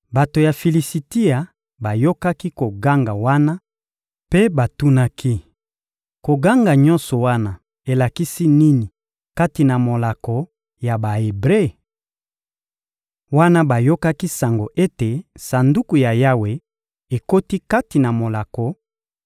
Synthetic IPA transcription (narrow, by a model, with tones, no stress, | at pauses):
ba˨to˨ja˨fi˨li˨si˨ti˦a˨ | ba˨jo˦ka˦ki˦ko˨ɡa˦ŋɡa˨wa˦na˦ | pe˦ba˨tu˦na˦kʰi˦ | ko˨ɡa˦ŋɡa˨ɲɔ̃˦nsɔ˨wa˦na˦ | e˨la˨ki˦si˦ni˦ni˨ | ka˦ti˨na˨mo˨la˨kɔ˨ | ja˨ba˨e˨bʁe˦˨ | wa˦na˦ba˨jo˦ka˦ki˦sa˨ŋɡo˨ʔe˦te˨sa˨ndu˦ku˨ja˨ja˦we˨ | e˨ko˦ti˦ka˦ti˨na˨mo˨la˨kɔ˨